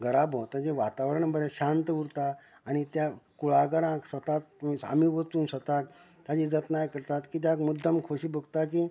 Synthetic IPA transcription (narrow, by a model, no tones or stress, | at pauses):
ɡəɾabɦot̪əd͡ʑeʋat̪aʋəɾəɳbəɾẽɕãnt̪əuɾt̪aː | nit̪jakuɭaɡəɾãksət̪at̪ia̰miʋət̪uːnsət̪ak̚ | t̪jad͡ʑid͡zət̪najkəɾt̪at̪kiːt̪̬jakmud̪ʱːəmkʰoɕiːbəɡt̪aki